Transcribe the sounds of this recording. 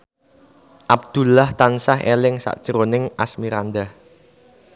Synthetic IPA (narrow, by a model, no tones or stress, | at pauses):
ʔab̚d̪̥ṳlaht̪ansaɦʔḛlɪŋsa̰ʔd̥ʒ̥ɾonɪŋʔa̰smiɾand̪ah